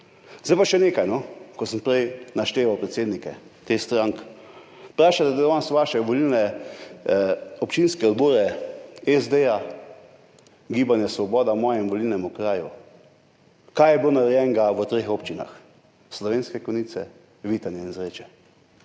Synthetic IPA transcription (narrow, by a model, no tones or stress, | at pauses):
zd̪ajpaʃɛneːkajnɔkɔsəmpɾɛjnaʃt̪eːʋawpɾɛt̪seːd̪nikɛt̪exst̪ɾaŋk | pɾaːʃat̪ɛd̪d̪ɔnasʋaːʃɛʋɔlilnɛ | ɔpt͡ʃinskɛɔd̪bɔːɾɛɛzd̪eja | ɡiːbanjɛsʋɔbɔːd̪amɔːjɛmʋɔlilnɛmukɾaːju | kaːjɛbloːnaɾɛjɛŋɡaʋət̪ɾeːxopt͡ʃina̰x | slɔʋeːnskɛkɔniːsɛ̰ | ʋiːt̪anjɛinzɾeːt͡ʃɛ